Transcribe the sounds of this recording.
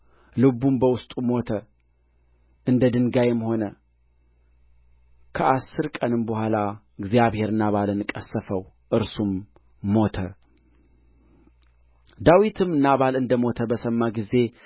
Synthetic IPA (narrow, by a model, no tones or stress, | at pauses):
lɨβumbəwʊst̪ʼumo̞t̪ʰə | ʔɨnd̪əd̪ɨŋɡajɛmho̞nə | kʰəʔasːɨɾkʼənɨmbəhʷala | ɨɡzjaβhe̞ɾɨnaβalənɨkʼːəsːəfəw | ʔɨɾsumː | o̞t̪ʰə | d̪awit̪ʰɨmɨnaβalɨnd̪əmo̞t̪ʰəbəsəmːaɡize̞